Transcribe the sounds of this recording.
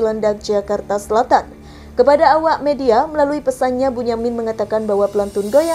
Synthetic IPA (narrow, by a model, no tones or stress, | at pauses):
landak̚d͡ʒakart̪asəlat̪an | kəpadaːwaʔmediaməlaluipəsanɲabuɲamɪnməŋat̪akanbaɦwapəlant̪unɡoja